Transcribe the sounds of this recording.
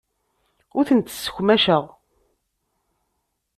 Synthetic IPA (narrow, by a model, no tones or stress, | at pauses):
ʊɾθənt̪sːə̥çʷmæʃəʁ